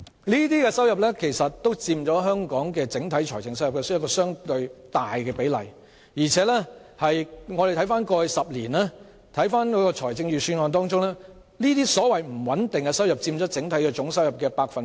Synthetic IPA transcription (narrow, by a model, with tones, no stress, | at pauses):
niː˥t̪iː˥kɛː˧sɐ˥wjɐ˨p̚lɛ˥kʰe˨˩jsɐ˨t̚t̪ːo˥wt͡siː˧mt͡ʃɔː˨˥ɦœː˥ŋkɔː˨˥ŋkɛː˧t͡sɪ˨˥ŋt̪ʰɐ˨˥jt͡ʃʰɔː˨˩jt͡sɪ˨ŋsɐ˥wjɐ˨p̚kɛː˧skɔː˧sœː˥ŋt̪ɵ˧ɥt̪aː˨jkɛː˧pe˨˥jlɐ̰˨˩j | jiː˨˩t͡sʰɛː˨˥lɛ˥hɐ˨jŋɔː˨˧ɾe˨jt̪ʰɐ˨˥jfaː˥nkɔː˧jsɐ˨p̚liː˨˩nɛː˥ | t̪ʰɐ˨˥jfaː˥nkɔː˨˧˥kɔː˧t͡ʃʰɔː˨˩jt͡sɪ˧ŋjyː˨syː˧nŋɔː˧nt̪ɔː˥ŋt͡sʊ˥ŋlɛː˥ | niː˥t̪iː˥sɔː˨˥wɐ˨jm̩˨˩wɐ˨˥nt̪ɪ˨ŋkɛ˧sɐ˥wjɐ˨p̚t͡siː˧mt͡ʃɔː˨˥t͡sɪ˨˥ŋt̪ʰɐ˨˥jkɛː˧t͡sʊ˨˥ŋsɐ˥wjɐ˨p̚kɛː˧paː˧k̚fɐ˨n